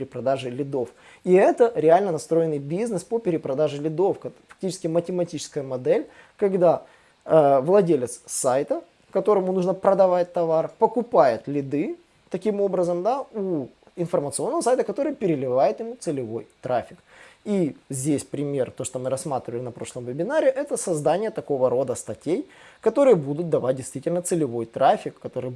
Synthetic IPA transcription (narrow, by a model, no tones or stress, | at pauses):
ɾʲɪpɾɐd̪aʐɨlʲɪd̪o̞f | iɛt̪əɾʲɪalʲnənɐst̪ɾo̞jɪnːɨjbʲiznɨspopʲɪɾʲɪpɾɐd̪aʐɨlʲɪd̪o̞fkfɐk̚tʲit͡ɕɪ̥skʲɪmətʲɪmɐtʲit͡ɕɪ̥skəjəmɐd̪ɛlʲ | kɐɡd̪a | əvlˠɐdʲelʲɪt̪ssajt̪ə | kɐt̪o̞ɾəmʊnuʐnəpɾəd̪ɐvat̚ʲt̪ɐvarpəkʊpajɪt̪lʲɪd̪ɨ | t̪ɐkʲimo̞bɾəzəmd̪au | ɪnfərmət̪sɨonːəvəsajʲt̪əkɐt̪o̞ɾɨjəpʲɪɾʲɪlʲɪvajɪt̪jɪmut̪sɨlʲɪvo̞jt̪ɾafʲɪkizʲdʲesʲpɾʲɪmʲe̞rt̪o̞ʂt̪omɨɾɐsmat̪ɾʲɪvəlʲɪnɐpɾo̞ʂlˠəmvəbʲɪnaɾʲɪʔɛt̪əsɐzd̪anʲɪjət̪ɐko̞vəɾo̞d̪əst̪ɐtʲej | kɐt̪o̞ɾɨjəbud̪ʊt̪̚d̪ɐvat̚ʲdʲɪjst̪vʲitʲɪlʲnət̪sɨlʲɪvo̞jt̪ɾafʲɪkːɐt̪o̞ɾɨj